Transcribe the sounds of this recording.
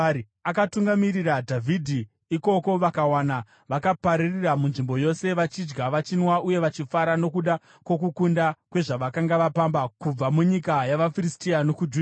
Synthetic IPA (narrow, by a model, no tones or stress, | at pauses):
akatuŋɡamiriradʱavʱidʱi | iko̞ko̞ʋakawana | ʋakapaɾiriramunʐimbo̞jo̞se̞ʋat͡ʃid͡ʒɡaʋat͡ʃinwauje̞ʋat͡ʃifaɾano̞kuɗa | kwo̞k̬ukundakwe̞ʐaʋakaŋɡaʋapambakub͡vamuɲikajaʋafiristiano̞kud͡ʒu